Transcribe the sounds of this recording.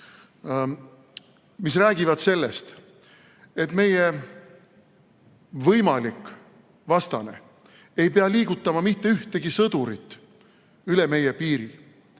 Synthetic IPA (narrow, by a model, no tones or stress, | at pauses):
mis̬ræːɡivɑd̪̥se̞lːest̪ | e̞t̪me̞je̞ | vɤjmɑlik | vɑst̪ɑne̞̰ | e̞jpeɑliːɡ̥ut̪ːˑɑmɑmit̪ːe̞yht̪e̞ɡ̥isɤd̪̥uɾit̪ːˑ | yle̞me̞je̞piːɾi